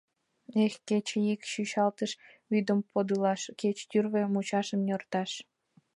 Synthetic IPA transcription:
exket͡ɕeikʃyʃɑlt̪əʃ | βyd̪əmpod̪əlɑʃket͡ɕt̪yrβemut͡ɕɑʃəmjort̪ɑʃ

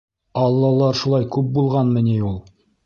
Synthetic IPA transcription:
ɑlˠːɑlˠɑɾʃulˠɑjkʉp̚bulˠʁɑnmɘ̆niulˠ

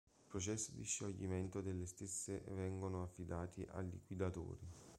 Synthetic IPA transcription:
ipɾot͡ʃɛsːid̪iʃːoʎːiment̪od̪elːest̪esːevɛŋɡonoafːid̪aːt̪iʔa̰lːḭkwid̪at̪o̰ːɾi

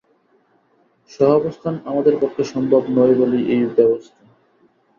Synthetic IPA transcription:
ʃɔɦɔbost̪ʰanamad̪eɾpɔkʰːeʃɔmbʱobnɔjboliʔejbɛbost̪ʰa

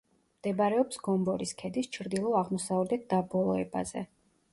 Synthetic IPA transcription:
md̪̥ɛbɾɛɔpsɡ̥ɔmbɔɾiskʰɛd̪ist͡ʃʰɾd̪ilˠɔaʁmɔsavɾdɛt̪̚d̪̥abɔlˠɔɛ̰ba̰zɛ̰

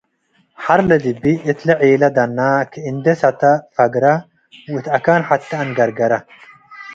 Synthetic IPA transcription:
ħɐɾlɐd̪ɪbːɪʔɪt̪lɐʕiːlɐd̪ɐnːaːkɪɪnd̪ɛsɐt̪ɐfɐɡɾɐ | ɪt̪ɐkaːnħɐt̪ːɐɐnɡɐɾɡɐɾɐ

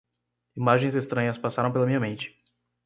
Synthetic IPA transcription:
imaʒẽj̃zest̪ɾɐ̃ɲɐspasaɾɐ̃w̃pelɐmĩɲɐmẽnt͡ʃɪ̥

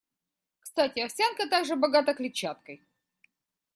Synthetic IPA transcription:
kst̪atʲɪɐfsʲankət̪aɡʐɨbɐɡat̪əklʲɪt͡ɕːat̪̚kəj

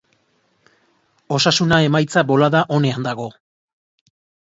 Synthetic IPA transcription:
o̞sasunae̞majt͡sabo̞laðaʔo̞ne̞and̪aɣo̞

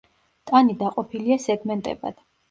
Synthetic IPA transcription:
t̪ʼanid̪aqʼɔpʰiliasɛɡmɛnt̪ʼɛ̰ba̰d̪̥

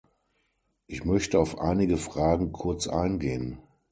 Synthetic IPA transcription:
ʔɪçmœçtəaʊfʔa̰ɪnɪɡəfʁ̥aːɡŋ̩kʰʊɐt͡sʔa̰ɪnɡeːən

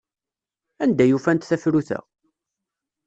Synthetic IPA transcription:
ænd̪æjufænt̪θæfɾuθə̰ʁ

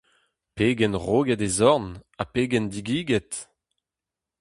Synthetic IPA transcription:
peːɡɛnʁoːɡɛdezɔʁnapeːɡɛnd̪iɡiːɡɛt̪

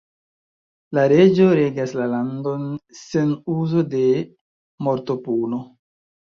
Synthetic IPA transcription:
laɾe̞d͡ʒo̞ɾe̞ɡaslalando̞nsenuzo̞de̞ | mo̞ɾto̞puno̞

